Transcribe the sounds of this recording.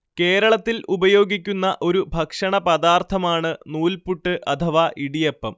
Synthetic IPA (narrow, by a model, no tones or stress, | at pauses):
ke̞ːɾɐɭɐt̪ːilubɐjo̞ːɡikʲːunːɐʔo̞ɾubʱɐkʂɐɳɐpɐd̪aːrt̪ʰɐmaːɳɨnuːlpuʈːɨʔɐt̪ʰɐʋaːʔiɽijepːɐm